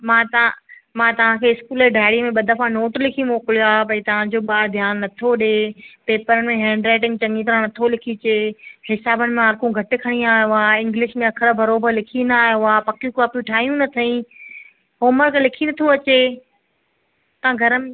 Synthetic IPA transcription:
mãːt̪ɐ̃mãːt̪ɐʋ̤ãkʰeːɪskuːleɖʱaːɪɽimẽɓɐd̪əfãnoːʈlɪkʰimoːkɪliaːpɐĩt̪ɐʋ̤ãd͡ʑoːɓaːd̪ʱjaːnːɐt̪ʰoɗeːpeːpəɾənɪ̆mẽɦɛ̃ːɳɖɾaːʈ̬ɪ̃ŋɡ̚t͡ɕɐ̃ŋit̪ɐɾãnɐt̪ʰolɪkʰit͡ɕeːhɪsaːbənɪ̆mẽaɾkũɡʱɐʈɪkʰɐɽ̃iaːɦjoaːɪ̃ŋɡlɪʃmẽɐkʰəɾəbʱɐɾoːbəɾlɪkʰinaːɦijoaːpɐkjũkaːpiʈʰaːɦijũnɐt̪ʰɐĩ | ɦoːməɾkʰẽlɪkʰinɐt̪ʰoɐt͡ɕe | t̪ɐãɡʱɐɾəm

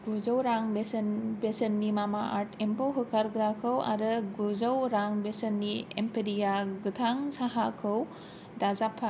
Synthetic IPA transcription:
ɡozɐwɾaŋbesɐnbesɐnːimamaʔaɾtʰempawɦɯkʰaɾɡɾakʰɯwa̰ɾɯɡozawɾaŋbesɐnːiḛmpʰeɾijaɡɯtʰaŋsaɦakʰɯw | dazapʰːa

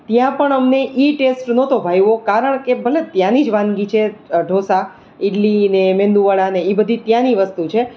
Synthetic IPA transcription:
t̪jãpəɳəmneʔiʈesʈnot̪obʱajʋokaɾəɳkebʱəlet̪jãnid͡ʒʋãnɡit͡ʃʰeɖʱosa | ɪʈlinemẽnd̪uʋəɭaneibəd̪ʱit̪jãniʋəst̪ut͡ʃʰe

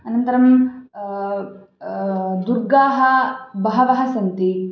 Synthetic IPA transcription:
ɐnɐnt̪ɐɾɐm | d̪uɾɡaːɦɐbɐɦɐʋɐɦɐsɐnt̪i

